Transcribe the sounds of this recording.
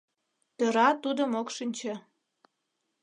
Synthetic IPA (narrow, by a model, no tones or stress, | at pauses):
t̪øɾɑt̪ud̪əmokʃinʲt͡ɕĕ